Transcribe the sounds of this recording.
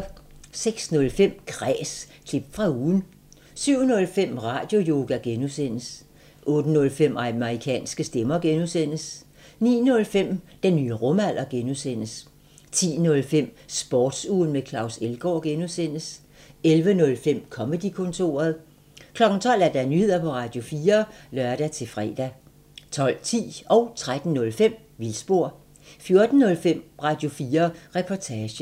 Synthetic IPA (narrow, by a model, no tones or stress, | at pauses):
seɡ̥snɔ̽lfem̰kʰʁɛ̰ːs | kʰlib̥fʁɑ̈uːn̩ | syʊ̰nɔ̽lfem̰ʁɑ̰̈ːd̥jo̝jo̝ːɡ̥æɡ̥enusen̰əs | ʔɔ̽ːd̥ənɔ̽lfem̰mʁikʰɛ̰ːnsɡ̥əsd̥emɐɡ̥enusen̰əs | nḭːnɔ̽lfem̰d̥enːyːəʁɔmæl̰ɐɡ̥enuðˠsen̰əs | t͡sʰḭːnɔ̽lfem̰sb̥ɒːd̥suːn̩mekʰlɑ̈ʊselɡ̥ɒ̰ːɡ̥enuðˠsen̰əs | elʋənɔ̽lfem̰kʰɒ̽məd̥ikʰɔ̽nt͡sʰo̝̰ːɐð̩ˠ | kʰlɒ̽ɡ̥n̩t͡sʰɒ̽l̰æɐd̥ænyhe̝ð̰ˠɐpʰɒ̽ʁɑ̈d̥jo̝fiːɐlœɐɾ̥æt͡sʰe̝fʁɛ̰ːd̥æ | t͡sʰɒ̽l̰t͡sʰḭːɒ̽ʊt͡sʰʁad̥n̩ːɔ̽lfem̰ | ʋilsb̥o̝ɐ̰ | fjo̝ɐd̥n̩ːɔ̽lfem̰ʁɑ̈ːd̥jo̝fiːɐʁɛpʰɒt͡sʰɛːɕə̥